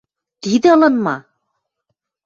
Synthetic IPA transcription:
t̪id̪ɘɤ̆lˠɤ̆nmɑ

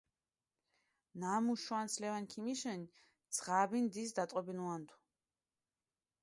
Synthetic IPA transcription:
naːmuʃwanslɛvankʰimiʃɛni | d̪z̥ʁabind̪isd̪at̪ʼqʼɔbinuant̪ʰu̥

